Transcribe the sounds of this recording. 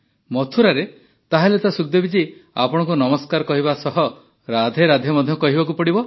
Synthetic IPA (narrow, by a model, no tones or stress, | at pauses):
mɔt̪ʰuɾaɾe | t̪aɦalet̪asukd̪ebit͡ʃia̰pɔɽ̃ɔ̃ŋkunɔmɔskaɾɔkɔɦiβasɔɦɔ | ɾad̪ʱeɾad̪ʱemɔd̪ʱjɔkɔɦibakupɔɽibɔ